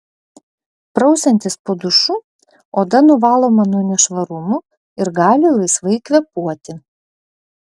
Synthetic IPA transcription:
pɾɒʊsʲɛnʲt̪ʲɪspoːd̪ʊʃʊ | oːd̪ɐnʊʋɑːlˠoːmɐnuɔnʲɛʃʋɐɾʊmʊ | ɪɾɡɑːlʲɪlˠɐɪsʋɐɪkʋʲɛpuɔt̪ʲɪ

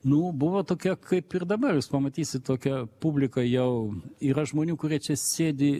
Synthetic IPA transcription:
nʊbʊʋot̪oːkʲɛkʰɐɪpɪrd̪ɐbɐrjuːspɐmɐt̪ʲiːsʲɪt̪t̪oːkʲɛpubʲlʲɪkɐjɛʊiːɾɐʒmoːnʲuːkʊɾʲiɛt͡ʃʲɛsʲeːd̪ʲɪ

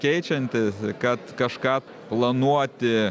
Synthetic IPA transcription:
kʲɛɪt͡ʃʲɛnʲt̪ʲɪskɐt̪kɐʃkɑː | plˠɐnuɔt̪ʲɪ

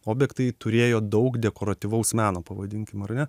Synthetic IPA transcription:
oːbʲjɛkt̪ɐɪt̪ʊɾʲeːjoːd̪ɐʊkd̪ʲɛkoːɾɐt̪ʲiʋɐʊsmʲæːnoːpɐʋɐd̪ʲɪŋʲkʲɪmɐɾnʲɛ

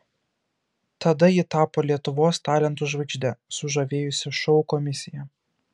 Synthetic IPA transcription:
t̪ɐd̪ɐɪt̪ɑːpoːlʲiɛt̪ʊʋoːst̪ɑːlʲɛnt̪uʒʋɐɪɡʒʲd̪ʲɛsʊʒɐʋʲeːjʊsʲɪʃɔʊkɔmʲɪsʲɪjɛ

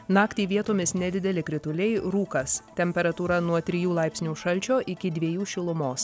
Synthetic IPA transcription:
nɑːkt̪ʲiːʋʲiɛt̪oːmʲɪsnʲɛd̪ʲɪd̪ʲɛlʲɪkɾʲɪt̪ʊlʲɛɪɾuːkɐst̪ʲɛmʲpʲɛɾɐt̪uːɾɐnuɔt̪ʲɾʲɪjuːlˠɐɪpʲsʲnʲuːʃɐlʲˑt͡ʃʲoːʔɪkʲɪd̪ʲʋʲiɛjuːʃʲɪlˠʊmoːs

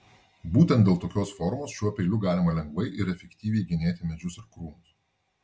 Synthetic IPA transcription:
buːt̪ʲɛnt̪ʲeːlˠt̪oːkʲoːsfɔɾʊmoːsʃʲuɔpʲɛɪlʲʊɡɑːlʲɪmɐlʲɛŋɡʋɐɪʔɪɾɛfʲɛkʲt̪ʲiːʋʲɛɪɡʲɪnʲeːt̪ʲɪmʲɛd͡ʒʲʊsɪɾkɾuːnʊs

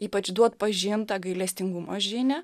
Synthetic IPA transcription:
iːpɐt͡ʃd̪uɔt̪pɐʒʲɪːnt̪ɑɡɐɪlʲɛsʲt̪ʲɪŋɡumoʒʲɪnʲɛ

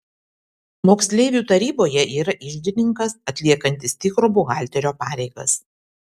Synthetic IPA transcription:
moːksʲlʲeːʋʲuːˑt̪ɐɾʲiːboːjɛʔiːɾɐʔɪʒʲd̪ʲɪnʲɪŋkɐsɐt̪ʲlʲiɛkɐnʲt̪ʲɪst̪ʲɪkɾʊbʊɣɑˑlʲt̪ʲɛɾʲoːpɑːɾʲɛɪɡɐ̰s

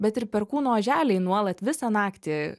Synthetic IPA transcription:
bʲɛt̪ɪɾpʲɛɾkuːnoːʒʲæːlʲɛɪnuɔlˠɐt̪ʋʲɪsɑnɑːkt̪ʲɪ

